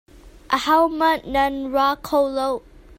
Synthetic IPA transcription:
ʔəhawmənanɹakʰowlow

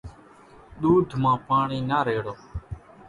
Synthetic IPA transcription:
ɗ̪uːd̪ʱmãːpaːɳiːnaːɾeːɽoː

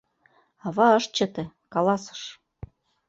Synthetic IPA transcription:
ɑβɑɤʃ̚t͡ɕɤ̆t̪ĕ | kɑlɑsɤ̥̆ʃ

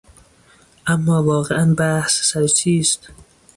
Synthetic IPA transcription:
ʔæmːɒːvɒːɣeænbæhssæɾt͡ʃʰiːst̪

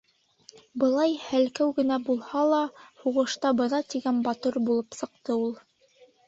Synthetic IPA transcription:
bɤ̆lˠɑjhælkæwɡɘ̆næbulˠhɑlˠɑhuʁɤ̆ʃt̪ɑbɤ̆nɑt̪iɡænbɑt̪oɾbulˠɤpsɤ̆q̚t̪ɤulˠ

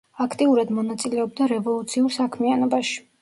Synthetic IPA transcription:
akʰt̪ʼiuɾad̪mɔnat̪sʼilɛɔb̚d̪aɾɛvɔlˠut̪sʰiuɾsakʰmianɔbaʃi̥

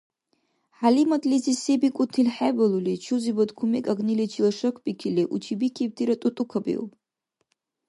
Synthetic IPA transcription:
ħalimatʼlizisebikʷʼutʰilħabalulit͡ʃʰuzibad̪kʰumikʼaɡnilit͡ʃʰilaʂɐkʰʷpʼikʰiliʔut͡ʃʰibikʰib̚tʰiɾatʼutʼukʰabḭw

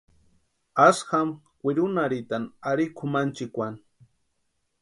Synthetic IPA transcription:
asham | kʷɪɾʊnaɾɪt̪anaɾikʰʊmant͡ʃɪkʷan

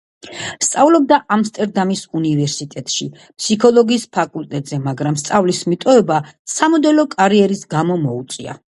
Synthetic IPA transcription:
st̪sʼavlɔb̚d̪aʔamst̪ʼɛɾd̪amisunivɛɾsit̪ʼɛt̪ʼʃḭ | pʰsikʰɔlˠɔɡiːspʰakʼulˠt̪ʼɛt̪ʼz̥ɛmaɡɾamst̪sʼavlismit̪ʼɔɛbasamɔd̪ɛlɔkʼaɾiɛɾisɡamɔmɔut̪sʼia̰

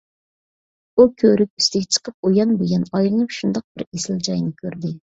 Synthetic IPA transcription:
ukʲʰøɾyk̚ʲyst̪ɪɡʲɛt͡ʃʰə̥qʰəp̚ojɑnbeɡʲɛnɑjlˠɨnɨpʃund̪ɑq̚b̥ɪɾesɪld͡ʒɑjnɪkʲʰøɾd̪ɪ

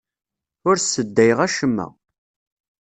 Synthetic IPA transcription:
ʊɾsːəd̪ːæjʁæʃəmːæ̰

